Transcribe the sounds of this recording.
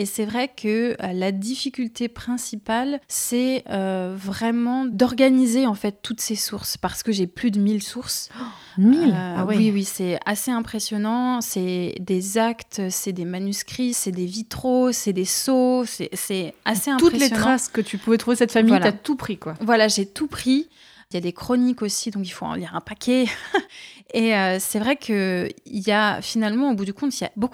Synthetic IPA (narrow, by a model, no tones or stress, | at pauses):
esɛvʁɛkʰəølad̪ifikʲylt̪epχɛ̃sipalsɛøvʁɛmɑ̃d̪ɔʁɡanizeɑ̃fɛt̪ːut̪sesuʁspaʁsə̥kəʒeplyd̪əmilsuʁs | milawiwiwisɛaseɛ̃pχesjɔnɑ̃sɛd̪ezakt̪øsɛd̪emanyskχisɛd̪evit̪χosɛd̪esosɛ̰sɛaseɛ̃t̪uteslejɔχaskət̪ypuvɛt̪χuvesɛt̪famiwalat̪upχikwavwalaʒet̪upχi | ljad̪ekχɔnikosid̪ɔ̃k̬ilfoɑ̰̃liʁɛ̃pakʲʰe | eøsɛvʁɛkʰəiljafinalmɑ̃obud̪ykɔ̃t̪ilja̰boku